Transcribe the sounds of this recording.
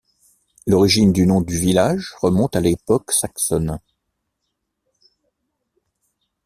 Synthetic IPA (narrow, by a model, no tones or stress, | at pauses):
lɔʁiʒind̪ynɔ̃d̪yvilaʒʁəmɔ̃t̪alepɔksaksɔn